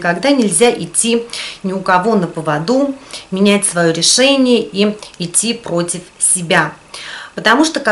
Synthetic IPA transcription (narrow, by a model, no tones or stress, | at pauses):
kɐɡd̪anʲɪlʲzʲaʔɪtʲːinʲɪʊkɐvo̞nəpəvɐd̪umʲɪnʲætʲsvɐjoɾʲɪʂɛnʲɪjəʔiɪtʲːipɾotʲɪfsʲɪbʲapət̪ɐmuʂt̪okɐ